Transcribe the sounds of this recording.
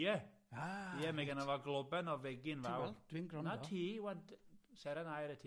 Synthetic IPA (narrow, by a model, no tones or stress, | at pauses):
jɛ | ajɛmɛɡanavaɡlˠʊbɛnɔvɛɡɪnvɛwld̥winɡɾɔnatʰiːwɛndsɛɾanajɾətʰiː